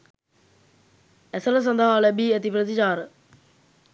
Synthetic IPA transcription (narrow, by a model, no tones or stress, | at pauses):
æsəɾəs̬ɐnd̪əɦalɛbiːɛt̪ipɾət̪it͡ʃaːɾə